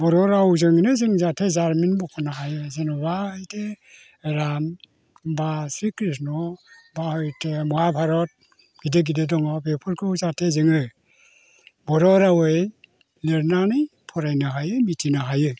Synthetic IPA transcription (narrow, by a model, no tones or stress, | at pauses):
bɔɾɔɾawzɯŋinɯzɯŋzatʰezaɾminbɔkʰɔnaɦajɯzenɔbahɯjtʰe | eɾam | basɾikɾisnɔbahɔjtʰemɔhapʰaɾɔt̚ | ɡ̥ideɡidedɔŋɔpepʰɯɾkʰɯwzatʰezɯŋɯ | bɔɾɔɾawɯj | lɯɾnanijpʰɔɾajnaɦajɯmitʰinaɦajɯ